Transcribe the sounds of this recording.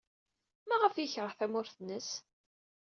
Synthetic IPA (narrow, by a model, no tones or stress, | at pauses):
mæʁəfjəçʁəʁθæmʊɾθnəs